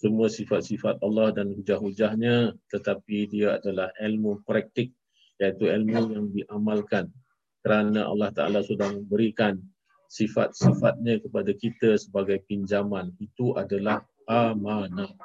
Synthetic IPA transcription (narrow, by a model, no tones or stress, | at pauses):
səmuəsifat̪̚sifat̪̚ɑlːɑhdanhud͡ʒahud͡ʒahɲət̪ət̪apidiaa̰dalahɛlmupɾɛk̚t̪ɪk̚ | jait̪uɛlmujaŋdiʔamalkan | kəɾanəʔa̰lːɑht̪a̰ʔa̰lasudahmə̃mbəɾikan | sifa̰t̪̚sifat̪̚ɲə̃kəpadakit̪əsəbaɡajpiɲd͡ʒamãnit̪uʔadalah | amana